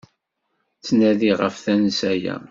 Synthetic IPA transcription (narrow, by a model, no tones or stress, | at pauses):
t͡sːnæðiʁəfθænəsæjæ̰